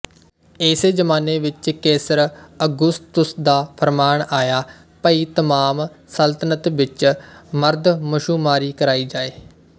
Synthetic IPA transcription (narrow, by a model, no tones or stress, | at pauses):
eːseːd͡ʒəmaːneːʋɪt͡ʃkeːsəɾəɡʊst̪ʊsd̪aːpʰəɾmaːɳaːjaː | pəiːt̪əmaːm | səlt̪ənət̪ʋɪt͡ʃməɾd̪məʃuːmaːɾiːkəɾaːiːd͡ʒaːeː